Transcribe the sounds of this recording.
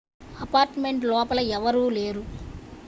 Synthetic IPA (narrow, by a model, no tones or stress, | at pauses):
ɐpaːɾʈɐmeɳʈlɔːpɐlɐɛʋɐɾuːleːɾu